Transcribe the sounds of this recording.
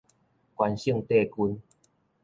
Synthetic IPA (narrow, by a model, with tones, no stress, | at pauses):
kwa˧nɕiə˥˧˨ŋt̪e˥˧˨ku˧n